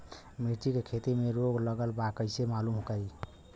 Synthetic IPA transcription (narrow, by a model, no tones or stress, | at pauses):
miʈikekʰet̪imeɾoɡləɡəlbakəjsemalumɦokəj